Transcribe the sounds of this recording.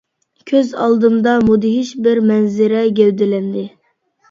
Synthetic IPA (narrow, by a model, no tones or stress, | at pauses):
kʲʰøzɑ̰lˠd̪ɨmd̪ɑmod̪ɪɦiʃbɪɾmɛnzɪɾɛɡʲɛwd̪ɪlɛnd̪ɪ